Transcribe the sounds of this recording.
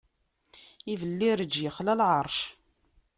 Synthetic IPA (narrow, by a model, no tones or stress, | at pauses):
ivəlːiɾəd͡ʒːjəχlælʕəɾˤʃ